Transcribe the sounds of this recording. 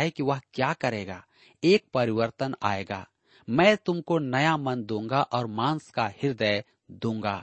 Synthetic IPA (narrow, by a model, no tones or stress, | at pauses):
ɦekiʋɐɦkjaːkɐɾeːɡa̰ː | eːk̚pɐɾɪʋəɾt̪əna̰ːeːɡa̰ː | mɛ̃ːt̪ʊmkonɐjamɐnd̪ũːŋɡaʔɔːɾmãːnskahɪɾd̪əj | d̪ũːŋɡaː